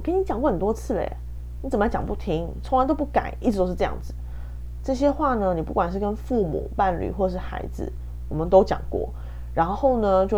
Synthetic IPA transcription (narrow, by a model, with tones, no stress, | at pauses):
ke˥ni˧t͡ɕjɑ˨˩ŋkɔ˥˩xə˨˩nt̪wɔ˥t͡sʰɹ̩˥˩lḛ˨˩ | ni˧˥t͡sə˨˩mə˦˧˥t͡ɕjɑ̰˨˩ŋpu˥˩t̪ʰi˦ŋt͡sʰo˧˥ŋlt̪o˥ʊp̬u˥˩ka̰˨˩˦nʔi˥˩ʈ͡ʂʰɻ̩˨t̪o˥ʊʂɻ̩˥˧ʈ͡ʂɤ˧jɑ̰˥˩ŋd͡zɹ̩˨˩ | ʈ͡ʂɤ˥˩ɕ̬jɛ˥xwa˥˩nə˧ni˨˩pu˥˩kwa˨˩nʂ̬ɻ̩˥˩kə˦nfu˥˩mṵ˨˩pa˥˧˩nly̰˨˩xwɔ˥˩˨ʂɻ̩˥˩xa̰˧˥ɪd͡zɹ̩̰˨ | wɔ˨˩mə˦nt̪o˥ʊt͡ɕjɑ̰˨˩ŋkwɔ̰˥˩ | ɻa˧˥nxo˥˩ʊnə˧t͡ɕjo˥˧ʊ